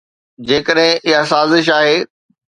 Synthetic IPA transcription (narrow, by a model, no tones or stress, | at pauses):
d͡ʑeːkəɗɦɪ̃ʔɪɦasaːzɪʃ̬aːɦeː